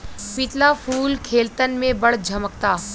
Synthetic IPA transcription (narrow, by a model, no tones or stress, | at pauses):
pɪt̪lafuːlkʰeːlt̪ənmẽbəɽd͡ʒʱəməkt̪aː